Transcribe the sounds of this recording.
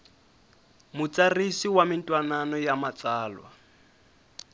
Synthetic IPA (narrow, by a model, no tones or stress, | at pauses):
mʊt͡sʼarisiwamɪntʼwananɔjamat͡sʼaːlwa̰